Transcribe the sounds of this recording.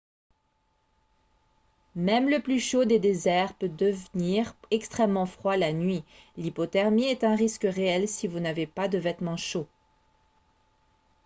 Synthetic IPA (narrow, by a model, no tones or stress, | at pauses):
mɛmləplyʃod̪ed̪ezɛʁpød̪əvniʁɛkst̪χɛmːɑ̃fχwalanɥi | lipɔt̪ɛʁmiɛt̪ɛ̃ʁiskʁeɛlsivunavepad̪əvɛt̪mɑ̃ʃo